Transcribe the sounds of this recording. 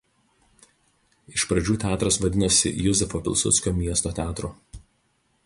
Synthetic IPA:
ɪʃpɾɐd͡ʒʲuːt̪ʲæːt̪ɾɐsʋɐd̪ʲɪnɐsʲɪ̰jʊzʲɛfopʲɪlˠʲˑsʊ̰t̪sʲkʲoːmʲiɛst̪oːt̪ʲæːt̪ɾoː

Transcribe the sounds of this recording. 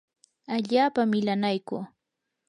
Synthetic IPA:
aʎaːpamːɪlanajkṵː

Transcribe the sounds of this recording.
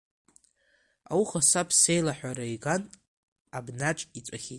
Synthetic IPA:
a̰wuχasapʰsejlaħᶣʷaɾaiɡan | abnaʈ͡ʂʼit͡sʷʼaχʲitʼ

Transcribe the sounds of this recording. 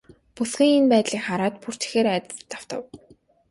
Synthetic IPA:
pusɡʲĭːŋinpæːt̪ɮiːkχaɾaːt̪̚pur̥t̪̆xeːɾat̪ə̆t͡st̪ːaw̥t̪ə̰̆w

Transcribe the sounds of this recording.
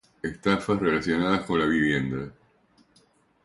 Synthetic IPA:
est̪afasre̞lasjo̞naðasko̞nlaβiβ̞je̞nd̪a

